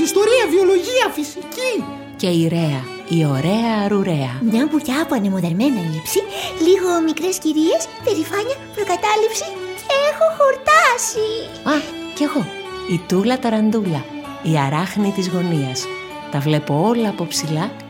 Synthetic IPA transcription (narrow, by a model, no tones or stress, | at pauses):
ist̪o̞ɾiɐvio̞loʝiɐfisici | ce̞iɾe̞ɐ | io̞ɾe̞ɐːɾuɾe̞ɐneɐpuceɐpoɐnemoðeɾme̞nilipsiliɣo̞mikɾe̞sciɾie̞spe̞ɾifɐɲɐpɾokɐt̪ɐlipsiceexo̞xo̞ɾt̪ɐsi | ɐ | ce̞ɣo̞ | it̪ulɐt̪ɐɾɐnd̪uʎɐ | iɐɾɐxnit̪izɣo̞niɐs | t̪ɐvle̞po̞o̞lɐːpo̞psilɐ